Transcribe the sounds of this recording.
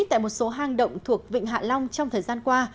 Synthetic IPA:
t̚t̪a̰ː˧˨jmo˨˩t̚so˨˦ɦaː˨˩ŋɗə̰˧˨wŋ͡mt̪ʰu˨˩ək̚vḭ˧˨ŋ̟ɦa̰ː˧˨la˧wŋ͡mt͡ɕɔ˧wŋ͡mt̪ʰəː˨˩jzaː˧nkwaː˧

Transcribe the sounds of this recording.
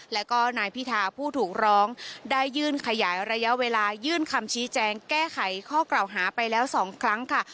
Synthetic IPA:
lɛː˦˥wkɔː˥˩naː˧jpʰi˦˥t̪ʰaː˧pʰuː˥˩t̪ʰuː˨˩k̚ɾɔː˦˥ŋdaː˥˩jːɯː˥˩nkʰa˧jaː˩˦jɾa˧ja˦˥ʔweː˧laː˧jɯː˥˩nkʰa˧mt͡ɕʰiː˦˥t͡ɕɛː˧ŋkɛː˥˩kʰa˩˦jkʰɔː˥˩klaː˨˩wɦaː˩˦pa˧jlɛː˦˥wsɔː˩˦ŋkʰɾa˦˥ŋkʰa˥˩

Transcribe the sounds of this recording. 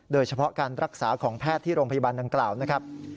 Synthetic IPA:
doː˧jt͡ɕʰa˧pʰɔ˦˥ʔkaː˧nɾʔa˦˥k̚saː˩˦kʰɔː˩˦ŋpʰɛː˥˩t̪ʰːiː˥˩ɾoː˧ŋpʰa˧ja˧baː˧nda˧ŋklaː˨˩wna˦˥kʰa˦˥p̚

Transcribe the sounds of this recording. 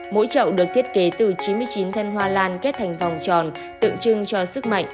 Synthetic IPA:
mo̰˧˥jt͡ɕə̰˧˨wɗɨ˨˩ək̚t̪ʰi˦˥ət̚ke˨˦t̪ɨ˨˩t͡ɕi˨˦nmɨ˧əjt͡ɕi˨˦nt̪ʰə˧nɦwaː˧laː˧nke˦˥t̚t̪ʰa˨˩jŋ̟fa˨˩wŋ͡mt͡ɕɔ˨˩n | t̪ɨ̰˧˨əŋt͡ɕɨ˧ŋt͡ɕɔ˧sɨ˦˥k̚ma̰˧˨jŋʔ

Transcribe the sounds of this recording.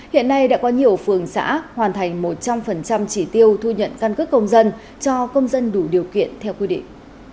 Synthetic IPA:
hḭ˧˨ənːa˧jɗa̰ː˧˥kɔ˨˦ɲi˨˩əwfɨ˨˩əŋsa̰ː˧˥hwaː˨˩nt̪ʰa˨˩jŋ̟mo˨˩t̚t͡ɕa˧mfə˨˩nt͡ɕa˧mt͡ɕi˧˩t̪i˧əwt̪ʰu˧ɲə̰˧˨nka˧nkɨ˦˥k̚kə˧wŋ͡mzə˧n | t͡ɕɔ˧kə˧wŋ͡mzə˧nɗu˧˩ɗi˨˩əwkḭ˧˨ənt̪ʰɛ˧wkwi˧ɗḭ˧˨ŋ̟

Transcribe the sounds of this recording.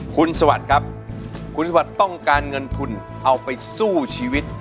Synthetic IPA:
kʰu˧nsa˧wa̰˨˩t̪̚kʰa˦˥p̚kʰu˧nsa˧wa˨˩t̪ːɔ˥˩ŋkaː˧nŋɤ˧nt̪ʰu˧n | ʔa˧wpa˧jsuː˥˩t͡ɕʰiː˧wi˦˥t̪̚

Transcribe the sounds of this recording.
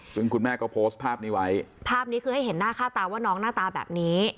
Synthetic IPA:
sɯ˥˩ŋkʰu˧nmɛː˥˩kɔː˥˩pʰoː˦˥st̪̚pʰaː˥˩p̚niː˦˥wa˦˥jpʰaː˥˩p̚niː˦˥kʰɯː˧ha˥˩jɦe˩˦nːaː˥˩kʰaː˥˩t̪aː˧waː˥˩nɔː˦˥ŋnaː˥˩t̪aː˧bɛ̰ː˨˩p̚niː˦˥

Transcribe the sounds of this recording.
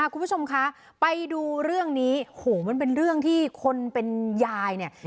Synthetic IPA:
ʔa˧˩kʰu˧mpʰt͡ɕʰo˧mkʰa˦˥ | pa˧jduː˧ɾɯ˥˩əŋniː˦˥hoː˨˩˦ma˧np̬e˧nɾɯ˥˩əŋt̪ʰiː˥˩kʰo˧npe˧njaː˧jni˥˩ə

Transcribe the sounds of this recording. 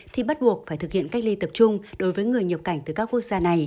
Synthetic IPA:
t̪ʰi˨˩ɓa˦˥t̚ɓu˨˩ək̚faː˩jt̪ɨ˨˩hḭ˧˨ənka˦˥k̟̚li˧t̪ə˨˩p̚t͡ɕʊ˧ŋ͡mɗo˨˦jvəː˨˦jŋɨ˨˩əjɲə˨˩p̚ka˧˩jŋ̟t̪ɨ˨˩kaː˦˥kːu˦˥ət̚z̥aː˧na˨˩j

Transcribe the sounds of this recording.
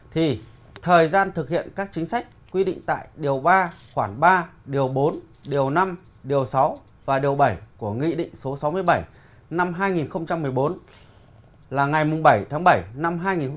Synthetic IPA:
t̪ʰi˨˩ | t̪ʰəː˨˩jzaː˧nt̪ʰɨ˨˩k̚hḭ˧˨ənkaː˦˥k̚t͡ɕï˨˦ŋ̟sa˦˥jk̚kwi˧ɗḭ̈˧˨ŋ̟t̪a̰ː˧˨jɗi˨˩əwɓaː˧xwaː˧˩nɓaː˧ɗi˨˩əwɓo˨˦n | ɗi˨˩əwna˧m | ɗi˨˩əwsa˨˦w | vaː˨˩ɗi˨˩əwɓa˧˩jku˧˩əŋḭ˧˨ɗḭ̈˧˨ŋ̟so˨˦sa˨˦wmɨ˧əjɓa˧˩j | na˧mɦaː˧jŋi˨˩nxə˧wŋ͡mt͡ɕa˧mːɨ˨˩əjɓo˨˦n | laː˨˩ŋa˨˩jmʊ˨˩ŋ͡mɓa˧˩jt̪ʰaː˨˦ŋɓa˧˩jna˧mɦaː˧jŋi˨˩n˧

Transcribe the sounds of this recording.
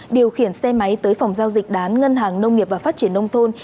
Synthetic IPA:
ɗi˨˩əwxi˧˩ənsɛ˧ma˨˦jt̪əː˨˦jfɔ˨˩wŋ͡mzaː˧wzï˨˩k̟̚ɗaː˨˦nŋə˧nɦaː˨˩ŋnə˧wŋ͡mŋi˨˩p̚vaː˨˩faː˦˥t͡ɕi˧˩ənʔə˧wŋ͡mt̪ʰo˧n

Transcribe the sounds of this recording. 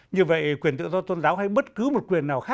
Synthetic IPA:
ɲɨ˧və̰˧˨jkwi˨˩ənt̪ɨ̰˧˨zɔ˧t̪o˧nzaː˨˦wha˧jɓə˦˥t̚kɨ˨˦mo˨˩t̚kwi˨˩ənːaː˨˩wxaː˦˥

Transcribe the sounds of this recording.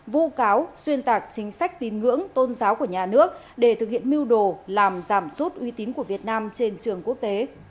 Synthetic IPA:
vṵ˧˥kaː˨˦wswi˧ənt̪aː˨˩k̚t͡ɕï˨˦ŋ̟sa˦˥jk̟̚t̪i˨˩nŋɨ̰˧˥əŋt̪o˧nzaː˨˦wku˧˩əɲaː˨˩nɨ˦˥ək̚ | ɗe˧˩t̪ʰɨ˨k̚hḭ˧˨ənmi˧əwɗo˧˩laː˨˩mzaː˧˩msu˦˥t̚ʔwi˨˦t̪i˨˦nku˧˩əvi˨˩ət̚naː˧mt͡ɕe˧nt͡ɕɨ˨˩əŋku˦˥ək̚t̪e˨˦

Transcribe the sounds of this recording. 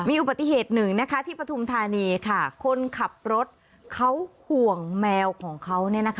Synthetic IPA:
miː˧ʔu˨˩ba˨˩t̪ːi˨˩ɦeː˨˩t̪̚nɯ˨˩ŋna˦˥kʰa˦˥t̪ʰiː˥˩pɾa˧t̪ʰu˧mt̪ʰaː˧niː˧kʰa˥˩kʰo˧nkʰa˨˩p̚ɾo˦˥t̪̚ | kʰa˦˥whu˨˩əŋmɛː˧wkʰɔː˩˦ŋkʰa˦˥wni˥˩ɐna˦˥kʰ

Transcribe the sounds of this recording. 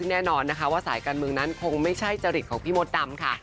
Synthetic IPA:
ɯ˥˩ŋnɛː˥˩nɔː˧nːa˦˥kʰa˦˥waː˥˩sa̰ː˩˦jkaː˧nmɯ˧əŋna˦˥nkʰo˧ŋma˥˩jt͡ɕʰa˥˩jt͡ɕa˧ɾi˨˩t̪̚ʰːŋpʰiː˥˩mo˦˥t̪̚da˧mkʰa˥˩

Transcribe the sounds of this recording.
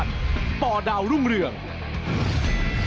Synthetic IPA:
t̪̚pɔː˧˩daː˧wɾu˥˩ŋɾɯ˨˩əŋ

